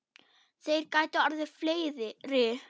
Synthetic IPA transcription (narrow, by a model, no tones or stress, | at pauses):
θejɾkaːjt̪aaɾðɪ̥fleːjðɪɾɪː